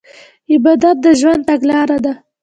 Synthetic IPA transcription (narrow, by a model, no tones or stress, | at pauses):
ɪbɑd̪at̪̚d̪əʒwand̪̚t̪aɡlɑɾad̪a